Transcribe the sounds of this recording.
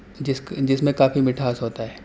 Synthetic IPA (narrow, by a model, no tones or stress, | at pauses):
d͡ʒɪsd͡ʒɪsmẽkaːfimɪʈʰaːsɦoːt̪aɦɛː